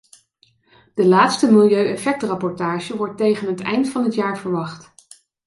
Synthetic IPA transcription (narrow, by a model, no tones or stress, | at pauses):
d̥əlaːtstəmɪlˠjøɥɛfɛk̚trɑpɔɹtaːʒəʋɔɹtːejχənɦətɛ̰jntfɑnɦətjaːɹvəɹʋɑχt